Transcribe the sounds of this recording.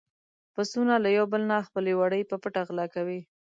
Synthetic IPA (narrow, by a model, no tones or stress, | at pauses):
pasunalajawbəlnaxpəlewaɽəjpəpəʈaɣlɑkawi